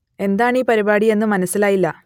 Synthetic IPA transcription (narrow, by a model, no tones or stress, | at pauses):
e̞nd̪aːɳiːpɐɾibaːɽie̞nːɨmɐnɐsːilaːjilːɐ